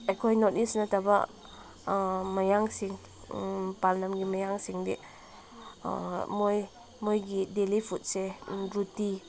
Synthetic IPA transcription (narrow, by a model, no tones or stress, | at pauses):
ajkʰojnɔt̚nisnataba | majaŋsiŋ | palnamɡimajaŋsiŋde | moj | mojɡidelipʰut̚seɾuti